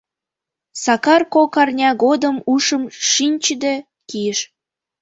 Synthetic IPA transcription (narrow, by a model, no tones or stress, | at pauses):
sɑkɑrkokɑrnʲɑɣod̪əmuʃəmʃinʲt͡ɕəd̪e | kijəʃ